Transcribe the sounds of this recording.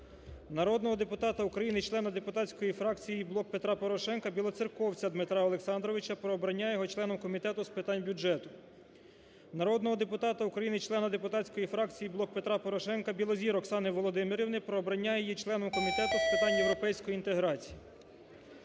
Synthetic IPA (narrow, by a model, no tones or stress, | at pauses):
nɐɾɔd̪nɔɦɔd̪epʊt̪ɑt̪ɐukɾɐjinɪt͡ʃlˠɛnɐd̪epʊt̪ɑsʲkɔjifɾɑk̚t͡sʲijiblˠɔk̚pe̞t̪ɾɑpɔɾɔʃɛnkɐbʲilˠɔt͡sʲirkɔwt͡sʲɐd̪mɪt̪ɾɑɔlˠeksɑnd̪ɾɔʋɪt͡ʃɐpɾɔːbɾɐnʲːajɛjɔɦɔt͡ʃlˠɛnɔmkɔmʲit̪ɛt̪ʊspɪt̪ɑnʲbʲud͡ʒɛt̪ʊ | nɐɾɔd̪nɔɦɔd̪e̞pʊt̪ɑt̪ɐukɾɐjinɪt͡ʃlˠɛnɐd̪epʊt̪ɑtʲt͡sʲkɔjifɾɑkt͡sʲijiblˠɔk̚pe̞t̪ɾɑpɔɾɔʃɛnkɐbʲilˠɔzʲiɾɔksɑnɪʋɔlˠɔd̪ɪmɪɾʲiʋnɪpɾɔːbɾɐnʲːajɛjit͡ʃlˠɛnɔmkɔmʲit̪ɛt̪ʊspɪt̪ɑnʲjewɾɔpɛjsʲkɔjint̪eɦɾɑt͡sʲi̥ji